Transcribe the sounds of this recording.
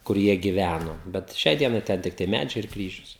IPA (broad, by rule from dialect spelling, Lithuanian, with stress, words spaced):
kʊr ˈjiɛ ɡʲɪˈʋʲænoː bʲɛt ˈʃʲɛɪ ˈdʲiɛnɐɪ ˈtʲɛn ˈtʲɪktɐɪ ˈmʲæd͡ʒʲɛɪ ɪr ˈkrʲiːʒʲʊs